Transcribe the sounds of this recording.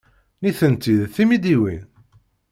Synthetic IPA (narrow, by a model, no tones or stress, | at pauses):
niθənt̪iðθimid̪iwin